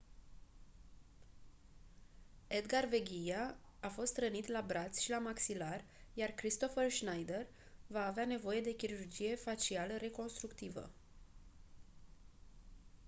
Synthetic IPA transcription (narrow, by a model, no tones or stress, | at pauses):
e̞d̪ɡarve̞ɡʲijaː | fo̞st̪ɾənit̪labɾat̪sʲʃilamaksilar | jarkɾist̪o̞fərʃnajd̪e̞r | vaːveane̞vo̞je̞d̪e̞kʲiɾurd͡ʒije̞fat͡ʃialəɾe̞ko̞nst̪ɾukt̪ivə̰